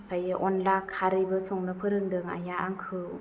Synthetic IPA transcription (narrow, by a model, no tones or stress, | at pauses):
kʰajɯʔɔnlakʰːaɾɯjbɯsɔŋnɯpʰɯɾɯŋdɯŋa̰jaʔaŋkʰɯ